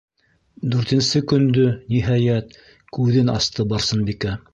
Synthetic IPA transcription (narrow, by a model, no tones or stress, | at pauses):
d̪ʉɾt̪ɘ̆nsɘkɵ̆nd̪ɵniɦɑjæt̪̚ | kʉðɘnɑ̰st̪ʰɤbɑɾsɤnbikæ